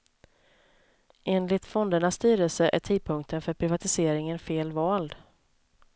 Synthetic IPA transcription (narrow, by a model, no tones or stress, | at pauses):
ʔeːnlɪt̪fɔnd̪əɳasːt̪yːɾəlsəʔæ̰ʈʰiːd̪̚pʰɵŋk̚t̪ʰənfœɾpʰɾɪvat̪ɪseːɾɪŋənfeːlvɑːld̪